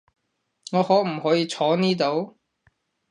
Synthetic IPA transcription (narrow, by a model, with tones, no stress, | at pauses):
ŋɔː˨˧hɔː˨˥k̚m̩˨˩hɔː˨˥jiː˨˧t͡sʰɔː˨˥niː˥t̪̬o˨˥w